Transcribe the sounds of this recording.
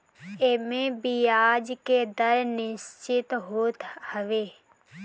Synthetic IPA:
emẽbijaːd͡ʒked̪əɾnɪʃt͡ʃɪt̪ɦoːt̪həʋeː

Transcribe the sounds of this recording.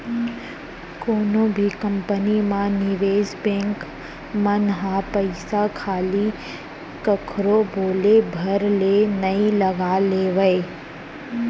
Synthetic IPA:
koːnõbʱikɐ̃mpənimãnɪʋeːzbẽːŋk | mɐnɦãpɐɪsakʰaːli | kɐkʰɾoboːlebʱɐɾlenɐĩlɐɡaleːʋəe

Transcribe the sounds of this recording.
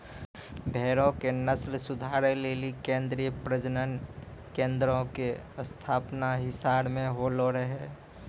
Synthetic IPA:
bʱɛːɾõkenəslsʊd̪ʱaːɾeleːlikẽːnd̪ɾiːjəpɾəd͡ʒnənkẽːnd̪ɾõkeəst̪ʰaːpnaɦɪsaːɽmẽɦoloɾəɦe

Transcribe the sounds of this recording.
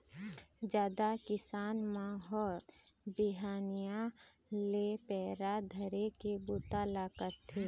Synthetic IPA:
d͡ʒjaːd̪akɪsaːnmãɦɔːɾbɪɦaːnijã | lepɛːɾad̪ʱəɾekebuːt̪alaːkəɾt̪ʰːeː

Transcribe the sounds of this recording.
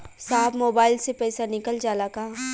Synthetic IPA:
saːɦbmoːbaːɪlsepɛːɪsanɪkəld͡ʒaːlakaː

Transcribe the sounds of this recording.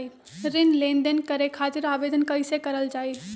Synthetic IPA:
i | ɾɪnlẽːnd̪ənkəɾekʰaːt̪ɪɾaːʋeːd̪ənkɐɪsekəɾəld͡ʒaːi

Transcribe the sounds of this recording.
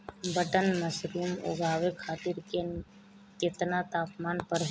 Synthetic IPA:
bəʈənməsɾuːmo̰ːɡʱaːʋekʰaːt̪iɾke | keːt̪nat̪aːpmaːnpəɾ

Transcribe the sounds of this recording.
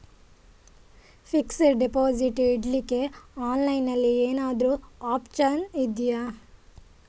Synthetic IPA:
fiksɐɾɖipoːd͡ʒiʈiɖlikːe̞aːnlɐjnɐlːieːnaːd̪ɾuaːpt͡ʃɐnid̪ija

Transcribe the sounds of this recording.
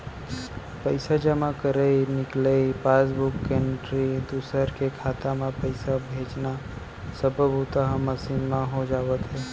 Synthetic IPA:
pəɪsad͡ʒəmãkəɾəinɪkləipaːs̬bʊkːeːɳʈɾid̪usəɾkekʰaːt̪amẽpəɪsabʱeːt͡ʃna | səbʱəbut̪aɦməsiːnmãɦod͡ʒaːʋət̪ɦɛː

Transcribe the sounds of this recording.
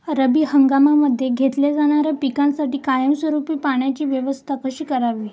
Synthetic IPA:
ɾəbiːhəŋɡamaməd̪ʱːjeɡʱet̪ljad͡zaɽ̃aɾjapikãnsaʈiːkajəmsʋəɾupiːpaɳjat͡ɕiːʋjəʋəst̪ʰakəɕiːkəɾaʋiː

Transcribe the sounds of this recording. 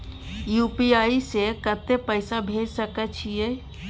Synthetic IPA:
juːpiaːisekət̪ːepəɪsabʱeːd͡ʒsəkət͡ʃʰie

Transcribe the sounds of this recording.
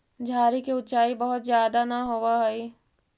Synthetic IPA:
d͡ʒʱaːɾikeʊt͡ʃaːibəɦʊt̪zjaːd̪anaɦoʋaɦɛi

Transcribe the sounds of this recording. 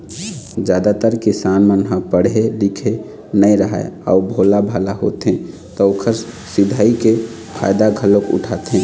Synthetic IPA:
d͡ʒjaːd̪at̪əɾkɪsaːnmənɦãpəɽelikʰe | nəiɾəɦa̰ea̰ubʱolabʱalaɦo̰t̪ɦẽ | t̪ɔokʰəɾsɪd̪ʱaːike | pʰa̰ːjd̪aɡʱəlokʊ̰ʈʰat̪ɦẽ

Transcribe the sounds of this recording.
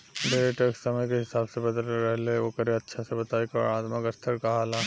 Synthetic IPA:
beɾeʈəkssɐməjkeɦɪsaːbsebɐd̪əlɾɛɦleoːkəɾeɐtːʃʰasebɐt̪aːikɐɔ̰ɾaːt̪məkəst̪ʰəɾkaɦaːla

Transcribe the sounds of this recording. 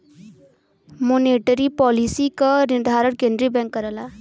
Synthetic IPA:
moneʈəɾipɔlisikənɪɾd̪ʱaɾəɳkẽnd̪ɾibɛ̃ŋkːəɾəla

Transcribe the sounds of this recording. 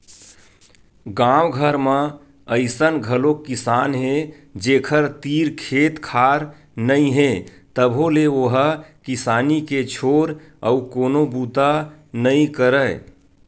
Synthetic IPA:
ɡãwɡʱəɾmẽ | əɪsənɡʱəlokɪsanɦe | d͡ʒeːkʰəɾt̪iɾkʰeːt̪kʰaːɾ | nəĩɦe | t̪əbʱoleoɦəkɪsaːniket͡ʃʰoɾ | əukoːnobut̪anəĩkəɾə

